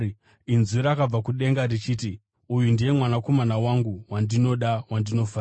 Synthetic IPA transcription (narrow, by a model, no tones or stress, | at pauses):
inzuɾaːkab͡vakuɗe̞ŋɡarit͡ʃiːti | ujundije̞mwanako̞manawaŋɡuwandino̞ɗawandino̞faː